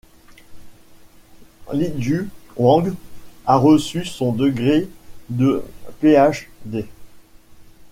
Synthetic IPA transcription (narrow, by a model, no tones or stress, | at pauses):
lid͡ʒywɑ̃ɡaʁəsysɔ̃d̪əɡʁed̪əpeaʃd̪e